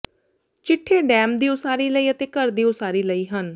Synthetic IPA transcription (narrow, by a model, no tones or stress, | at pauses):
t͡ʃɪʈʰːeːɖɛ̃ːmd̪iːʊsaːɾiːləiːət̪eːkəɾd̪iːʊsaːɾiːləiːɦən